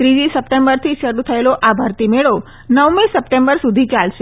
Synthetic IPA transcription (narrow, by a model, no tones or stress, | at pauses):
t̪ɾid͡ʒisəpʈembəɾt̪ʰiʃəɾut̪ʰəeloʔabʱəɾt̪imeɭo | nəʋmesəpʈembəɾsud̪ʱit͡ʃalʃe